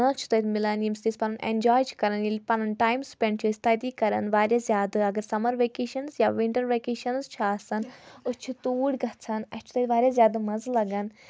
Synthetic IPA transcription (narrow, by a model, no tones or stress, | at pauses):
ɐ̃t͡ʃʰu̥t̪ɐt̪milɐnimsd̪ispɐnɐnʔḛnd͡ʒaːjt͡ʃʰi̥kɐɾɐnjilʲpɐnɐnʈaːjmspʲeɳɖ̚t͡ʃʰisʲt̪ɐd̪ikɐɾɐ̰nʋaːɾjazʲjaːd̪ɨɐɡɐɾsɐmɐɾʋeːkeːʃɐnzjaːʋiɳʈɐɾʋekeːʃɐnzt͡ʃʰaːsɐnut͡ʃʰit̪uːɽʲɡɐt͡sʰɐnɐt͡ʃʰu̥t̪ɐt̪ʲʋaːɾʲjazʲjaːd̪ɨmɐzlɐɡɐn